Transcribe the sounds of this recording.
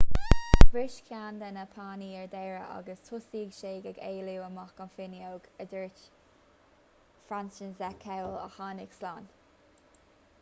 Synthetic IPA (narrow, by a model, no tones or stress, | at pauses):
ɡbɾɪʃkʰjaːnd̪ɛnəpʰaːniːɛɹd̪ɛːɹəʔɑ̰ɡəstʰʊsiːɡʃeːɡɛɡeːluwəmɑxkənfɪnjoːɡəd̪əɹt | fɾansənzɛkʰɛwlə̰xɑːnɪɡ̥slɑːn